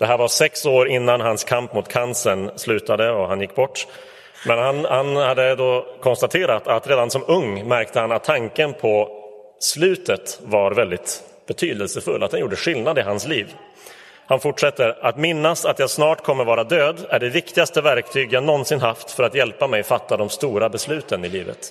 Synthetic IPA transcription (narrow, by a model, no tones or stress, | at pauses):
d̪̥ɛɦæːɾvaʂɛksoːɾɪnːanɦanskʰampmʊt̪kʰansənslʉ̟ːt̪ad̪əɔɦanjɪkːbɔʈː | mɛnhanhanhad̪ːəd̪ɔkʰɔnst̪at̪ʰeːɾat̪ʰat̪ɾeːd̪ansɔmɵŋːmæɾk̚t̪əhanat̪ʰːaŋkənpʰɔ | slʉ̟ːt̪ət̪vaɾvɛld̪ɪt̪ | b̥ɛt̪ʰyːd̪əlsəfɵlːat̪hanjuːɖəɧɪlnad̪ɪɦansliːv | hanfʊʈʂɛt̪ːəɾat̪mɪnːasat̪jasnɑːʈkʰɔmːəɾvɑːɾad̪øːd̪æɖɛvɪkt̪ɪɡast̪əvæɾkt̪ʰyːɡjaɡnɔnsɪnɦaft̪fœɾat̪jɛlpːamɛjɔfat̪ːad̪ɔmst̪uːɾabɛslʉ̟ːt̪ʰənɪliːvə̰t̪